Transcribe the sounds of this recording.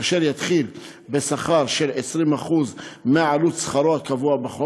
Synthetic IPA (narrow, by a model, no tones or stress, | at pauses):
aʃeɾjat̪χil | besaχaɾʃelʕesɾimaχuzmeʕalut̪sχɑɾoakavuabeχo